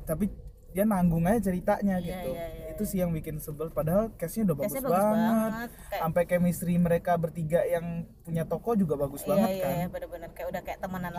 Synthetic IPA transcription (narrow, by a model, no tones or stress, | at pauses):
t̪api | dianaŋɡʊŋajat͡ʃəɾit̪aʔɲaɡit̪uit̪usijaŋbikɪnsəbəlpadaɦalkɛsɲaudahbasɡʊsbaŋət̪̚ | ampakɛmist̪ɾiməɾekabərt̪iɡaʔjaŋpuɲat̪okɔd͡ʒuɡabaɡʊsbaŋət̪̚kanbəbənərkajaudahkajaʔt̪əmənan